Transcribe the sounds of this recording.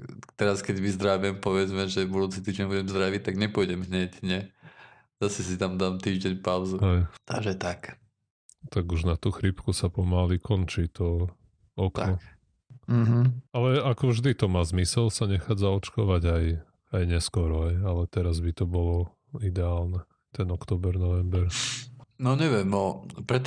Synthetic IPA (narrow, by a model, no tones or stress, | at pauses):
t̪ɛɾaskɛdmizd̪ɾaʋɛmpɔʋɛd͡zmɛʒɛbud̪uːt͡sit̪iːʒɟɛɲbuɟɛmzd̪ɾaʋit̪aɡɲɛpɔjɟɛmɦɲɛcɲɪɛ | z̥asɛs̬it̪amd̪aːmt̪iːʒɟɛɲpaʊzuɦɛjt̪aʒɛt̪ak | t̪aɡuʒnat̪uːxɾipkusapɔmalikɔnt͡ʃit̪ɔ | ɔk̪nɔk | m̩ɦ̩alɛakɔvʒd̪it̪ɔmaːzmisɛlsaɲɛxaːd͡zaɔt͡ʃkɔʋaɟaj | ajɲɛskɔɾɔɦɛjalɛt̪ɛɾazbit̪ɔbɔlɔ | id̪ɛaːlnɛ | t̪ɛnɔkt̪ɔːbɛɾnɔʋɛmbɛɾ | nɔɲɛʋɪɛmɔpɾɛt̪